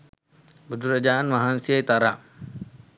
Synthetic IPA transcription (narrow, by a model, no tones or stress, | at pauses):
bəd̪uɾad͡ʒaːnmaɦansiajt̪aɾaʔ